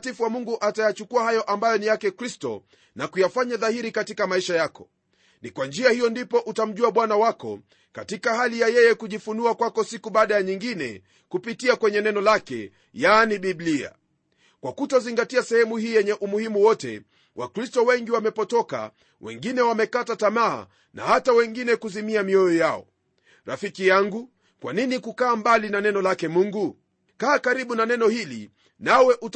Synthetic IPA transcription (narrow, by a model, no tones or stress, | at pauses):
tifuwamuŋɡuʔatajat͡ʃukuahajɔʔambajɔnijakɛkɾistɔ̰ | nakujafaɲaðahiɾikatikamaiʃajakɔ̥ | nikwand͡ʒiahijɔndipɔʔutam̩ʄuaɓwanawakɔ̰ | katikaɦalijajɛjɛkuʄifunuakwakɔsikuɓaːɗajaɲiŋɡinɛ̰ | kupitiakwɛɲɛnɛnɔlakɛ̰ | janiɓiblia̰ | kwakutɔziŋɡatiasɛhɛmuhiːjɛɲɛʔumuhimuwɔtɛ̰ | wʔa̰kɾistɔwɛŋɡiwamɛpɔtɔka̰ | wɛ̰ŋɡinɛwamɛkatatamaa̰ | na̰hatawɛŋɡinɛkuzimiamiɔjɔjaɔ̰ | ɾafikijaŋɡu | kwaninikukaːmbalinanɛnɔlakɛmuŋɡu | kaːkaɾiɓunanɛnɔhilḭ | nawɛʔut